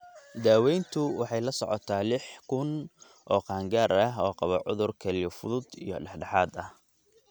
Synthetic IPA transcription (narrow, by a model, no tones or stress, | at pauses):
d̪aːwɛjnt̪ʰʊwɑħɑjlɐsɔ̰ʕɔt̪ʰaːlɪħkʰʊn | ʔɔːqɑːŋɡaːɾɐɦɔːqɑβɐʕʊ̰ðʊrkʰɐlfʊðʊd̪ḭːjɞɖɛħɖɑħaːd̪ɐh